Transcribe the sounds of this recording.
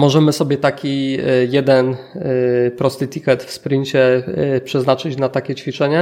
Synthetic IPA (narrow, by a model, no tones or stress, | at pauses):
mɔʐɛmɘsɔbʲjɛt̪akʲijɛd̪ɛn | pɾɔst̪ɘt̪ʲikɛt̪fspɾɘɲt͡ɕɛpʂɛznat͡ʂɘt͡ɕnat̪akʲɛt͡ɕfʲit͡ʂɛɲɛ